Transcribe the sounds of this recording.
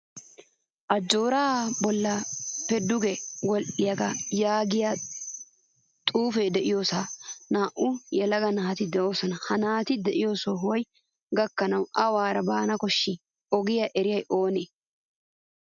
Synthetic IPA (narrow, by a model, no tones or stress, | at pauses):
ʔɐd͡ʒːo̞ːɾaːbɔlːɐpɛd̪ʊɡɛwɔlʔɪjɐɡɐjaːɡɪja | t̪ʼuːfɛjd̪ɛʔɪjo̞ːsaːnaːʔʊjɛlɐɡɐnaːt̪ɪd̪ɛʔo̞ːsɔnɐhɐnaːt̪ɪd̪ɛʔɪjo̞ːsoɦɔj | ɡɐkːɐnɐwɐwaːɾɐbaːnɐkɔʃːɪ | ɔɡɪjɐʔɛɾɪjɐjʔo̞ːneː